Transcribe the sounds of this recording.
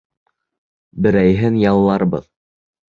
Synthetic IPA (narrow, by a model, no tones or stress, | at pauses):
bɘ̆ɾæjɦɘnjɑlˠːɑɾbɤ̰ð